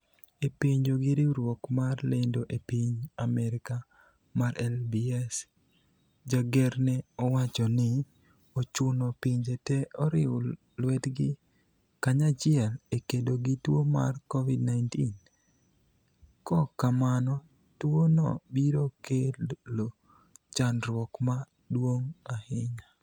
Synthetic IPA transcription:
epiɲd͡ʒoɡɪɾiɾwɔkmarlendoʔepiɲamɛɾɪka | maɾɛlbiɛs | d͡ʒaɡɛɾnɛɔwat͡ʃɔnɪ | ot͡ʃʊnɔpiɲd͡ʒetɛɔɾɪʊ | lwɛtɡɪ | kaɲat͡ʃɪɛlekedoɡitwoma̰rkɔvidnaɪntin | kɔkamanɔ | twonɔ̰biɾokelo | t͡ʃanɾwɔkma | dwoŋahɪɲa

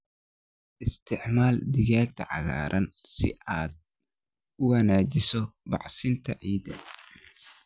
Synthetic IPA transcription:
ʔɪst̪ʰɪʕmaːld̪ɪɣaːɡ̚t̪ʰɐ̰ʕɑ̰ɣa̰ːɾʔɐn | sɪ̰ʔaːd̪̚ | ʊwɐnaːt͡ʃɪsɔbɑʕsɪnt̪ʰɐʕiːd̪ɐ̰

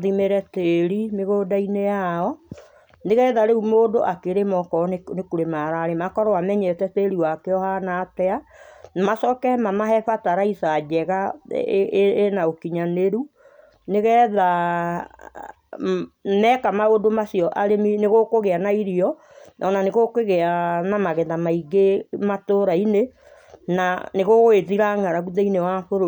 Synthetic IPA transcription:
ðimeɾɛteɾimeɣodainejaɔ | neɣɛðaɾeumoːdoʔakeɾemɔkɔnekuɾemaɾaɾemakɔɾɔwamɛɲɛtɛteɾiwakeɔhanatɛanamasɔkɛmamaɦɛfataɾaisad͡ʒɛɣa | naokiɲaneɾu | neɣɛːða | mɛkamaodomasiɔʔaɾemineɣokoɣeanaiɾiɔ | nʔɔnaneɣokeɣeanamaɣɛðamaiɡematoɾaine | naneɣoɣoeðiɾaŋaɾaɣuðɛinewaɸoɾo

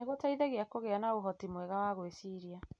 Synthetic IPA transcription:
eɣotaiðeɣeakoɣeanaoɦɔtimwɛɣawaɣoesiɾia

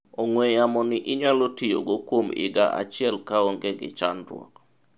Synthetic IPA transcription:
ɔŋwɛjamɔnɪʔɪɲalotijo̰ɡokwomɪ̰ɡa̰ʔa̰t͡ʃɪɛlkaoŋɡeɡɪ̰t͡ʃanɾwɔ̰k

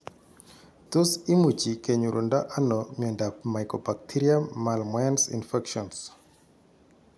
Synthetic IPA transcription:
t̪osimut͡ʃikeɲuɾʔondaʔanɔmɔndapmajkɔbak̚tʰiɾiaːalmaansḭnfɛkʃɔns

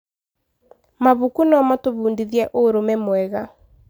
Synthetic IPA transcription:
maβukunɔmatoβuːndiðjɛʔoɾomɛmwɛɣa

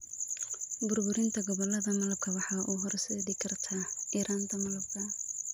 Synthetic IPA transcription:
bʊrbʊɾɪnt̪ʰɐɡɔβɔlɐðɐmɐlɐb̚kʰɐwɑħɑːʔuːɦɔɾsɛːdikʰɐrt̪ʰaːiːɾʔaːnt̪ʰɐmɐlɐb̚kʰɐ

